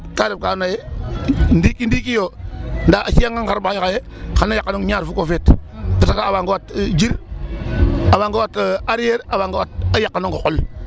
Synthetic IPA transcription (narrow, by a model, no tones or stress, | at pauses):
taɾib̚kanaje | ndikindikijondaʔasiaŋɡaŋkaɾbaakaje | kanajakːanoŋɲaɾfukofettatakaːbaŋɡowatd͡ʒiɾ | abaŋɡawataɾijeɾabaŋɡawat̚ajakːanoŋkokul